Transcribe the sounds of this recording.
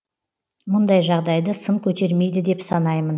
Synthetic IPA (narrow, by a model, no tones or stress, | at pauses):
mʊnd̪ɑjʒɑʁd̪ɑjd̪əsəŋkʲʰɵt̪e̞ɾme̞jd̪ɪd̪e̞psɑnɑjmən